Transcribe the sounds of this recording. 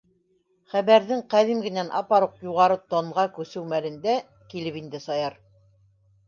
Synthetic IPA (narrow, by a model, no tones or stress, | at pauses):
χæβæɾðɘŋqæðimɡɘ̆nænʔɑ̰pɑɾuqjuʁɑɾɤt̪oɴʁɑkʉsɘwmælɘ̆nd̪æ | kilɘpind̪ɘsɑjɑɾ